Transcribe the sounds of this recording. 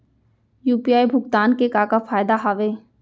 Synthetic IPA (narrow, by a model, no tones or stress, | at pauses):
juːpijaːjbʱʊɡt̪aːnkekaːkafʰaːjd̪aɦaːʋeː